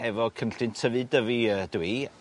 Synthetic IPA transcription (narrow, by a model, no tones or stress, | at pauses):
ɛvɔkʰəmɬɨntʰəvɨdəviəd̥wi